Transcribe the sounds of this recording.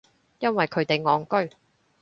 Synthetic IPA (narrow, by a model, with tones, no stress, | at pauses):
jɐ˥nwɐ˨jkʰɵ˨˧ɥt̪e˨jŋɔː˨˥ŋkɵ˥ɥ